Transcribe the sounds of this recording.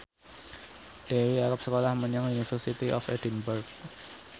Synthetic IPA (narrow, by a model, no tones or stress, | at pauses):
ɖ̥ewiaɾəp̚səkolahməɲaŋunifərsit̪iʔɔ̰fedinbʊrɡ̚